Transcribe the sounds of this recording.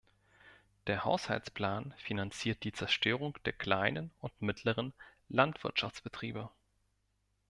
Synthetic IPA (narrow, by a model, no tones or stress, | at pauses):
d̥eːɐha̰ʊsha̰lt͡spl̥aːnfinant͡siːɐt̚d̥iːt͡sɛɐʃtʰøːʁ̞ʊŋd̥eːɐkl̥aɪnənʊntmɪtʰləʁ̞ən | lantv̥ɪɐtʃaft͡sb̥ətʁ̥iːbə